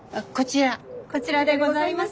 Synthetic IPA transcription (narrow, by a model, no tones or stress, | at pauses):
ko̞t͡ɕiɾako̞t͡ɕiɾad̪eɡo̞zaimas